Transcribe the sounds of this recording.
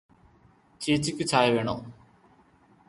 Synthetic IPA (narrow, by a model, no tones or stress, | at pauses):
t͡ɕiːt͡ɕːikʲːut͡ɕaːjɐʋeːɳo̰ː